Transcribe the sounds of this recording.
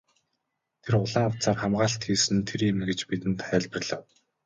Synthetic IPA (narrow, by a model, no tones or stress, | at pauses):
t̪ʰerʊɮaːŋʊwt͡saːrχamɢaːɬt̪xiːsɘ̆nt̪ʰeɾimɡĕt͡ɕpit̪ɘ̆nt̪χæːɮpə̆rɮ̥ə̆w